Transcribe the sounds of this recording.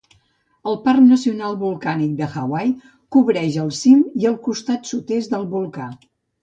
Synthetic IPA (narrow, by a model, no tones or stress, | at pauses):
əlˠparknəsiunalˠβulˠkanik̚d̪əxawaj | kuβɾɛʒəlˠsimiəlˠkust̪at̪sut̪ezd̪əlˠβulˠka